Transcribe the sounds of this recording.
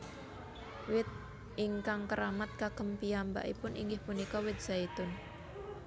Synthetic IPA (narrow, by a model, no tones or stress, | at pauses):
wɪt̪̚ | ʔɪŋkaŋkəɾamat̪̚kakəmpiamba̰ʔipʊnʔiŋɡɪhpunikɔwɪt̪̚sait̪ʊn